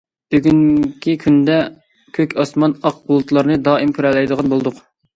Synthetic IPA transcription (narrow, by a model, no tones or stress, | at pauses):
b̥yɡʲyŋkʲikʲʰynd̪ɛ | kʲʰøkʲʰɑsmɑnɑq̚bulˠut̪lˠɑɾnɨd̪ɑːimkʲʰyɾɛlːɛjd̪əʁɑnbolˠd̪ʊq